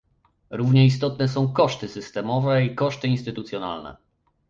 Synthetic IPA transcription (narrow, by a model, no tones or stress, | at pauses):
ɾuvɲɛis̬t̪ɔt̪nɛs̬ɔ̃w̃kɔʂt̪ɘsɘst̪ɛmɔvɛikɔʂt̪ɘinst̪ɘt̪ut̪sʲjɔna̰lnɛ̰